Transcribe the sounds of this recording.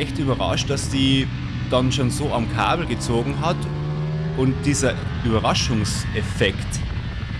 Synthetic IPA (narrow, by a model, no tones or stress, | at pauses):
ɛçtyːbɐʁa̰ʃt̚d̥asd̥iː | d̥anʃoːnzoːamkʰa̰ːbl̩ɡət͡soːɡŋ̩ɦat | ʊnt̚d̥iːzɐ | ʔyːbɐʁaʃʊŋsʔɛfɛkt